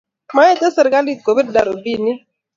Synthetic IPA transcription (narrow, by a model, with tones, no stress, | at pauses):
ma˦ɛ˦te˦se˨ɾka˦li˦˨t̚ko˨bi˦dda˨ɾo˨bi˦˨ni˦